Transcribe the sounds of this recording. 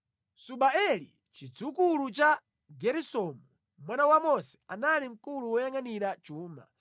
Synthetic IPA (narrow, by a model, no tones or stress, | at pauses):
suɓaɛlḭ | t͡ʃid͡zukulut͡ʃa | ɡɛɾisɔmu | mwanawamɔsɛ̥analim̩kuluwɔjaŋaniɾat͡ʃuːma̰